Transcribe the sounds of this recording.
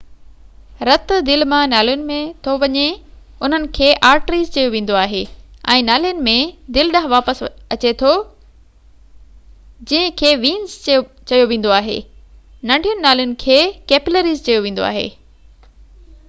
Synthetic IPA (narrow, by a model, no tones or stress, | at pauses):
ɾɐt̪d̪ɪlmãnaːlijʊnɪ̆mẽt̪ʰoʋɐɲe | ʊn̤ənɪ̆kʰeːʔaːɾʈɾiːzt͡ɕɐjoʋẽːn̆d̪oaːɦeːɛ̰̃ːnaːlijʊnɪ̆mẽd̪ɪlɗɐ̃ɦʋaːpəsɐt͡ɕet̪ʰo | d͡ʑĩɦɪ̃kʰeːʋĩːnz | t͡ɕɐjoʋẽːn̆d̪oaːɦḛː | nɐ̃ɳɖʱijʊnɪ̆naːlijʊnɪ̆kʰeːkeːpləɾiːzt͡ɕɐjoʋẽːn̆d̪o̰a̰ːɦḛː